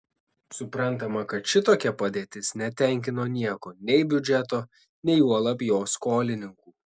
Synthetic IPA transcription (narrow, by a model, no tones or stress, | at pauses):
sʊpɾɐnˑt̪ɐmɐkɐt̪ʃʲɪt̪oːkʲɛpɐd̪ʲeːt̪ʲɪsnʲɛt̪ʲɛˑŋʲkʲɪnoːnʲiɛkoːnʲɛɪbʲʊd͡ʒʲɛt̪oː | nʲɛɪuɔlˠɐpʲjoːskoːlʲɪnʲɪŋkuː